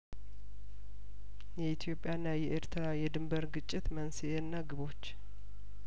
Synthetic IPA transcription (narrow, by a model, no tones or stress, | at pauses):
jɛit̪ʰijo̞pʼːjanːajɛʔeɾt̪ʰɨɾajɛd̪ɨmbəɾɡɨt͡ʃʼːɪt̪mənsienːaɡɨβo̞t͡ʃː